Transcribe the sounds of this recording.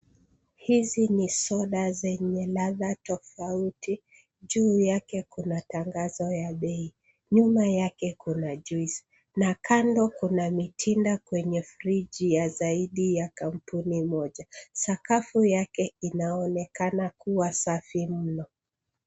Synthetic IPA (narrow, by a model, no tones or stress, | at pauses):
hizinisɔɗazɛɲɛlaðatɔfauti | ʄuːjakɛkunataŋɡazɔjaɓɛi | ɲumajakɛkunaʄuis | nakʰandɔkunamitʰindakwɛɲɛfɾid͡ʒijazaiɗijakam̩punimɔʄasakafujakɛinaɔnɛkanakuwasafim̩nɔ